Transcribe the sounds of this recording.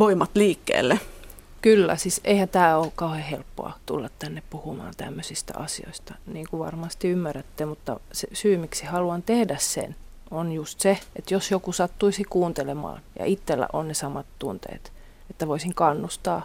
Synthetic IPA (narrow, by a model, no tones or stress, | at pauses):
ʋoimɑt̪liːkːḛːlːe | kylːæ̰sisʔeihænt̪æːoːkkɑuhehelpːo̰ɑ̰t̪ṵlːɑt̪t̪ænːeppuhumɑ̰ːnt̪æ̰mːøsist̪æ̰ʔɑsio̰ist̪ɑniːŋkuʋɑ̰rmɑst̪iymːæræt̪ːemut̪ːɑ̰sesyːmiksihɑluɑnt̪ehdæssḛn | onjust̪seet̪josjokusɑt̪ːuisikuːnt̪elemɑ̰ːnjɑ̰ʔit̪ːelːæ̰ʔonnesɑmɑt̪t̪unt̪ḛːt̪ | et̪ːæʋoisiŋkɑnːust̪ɑː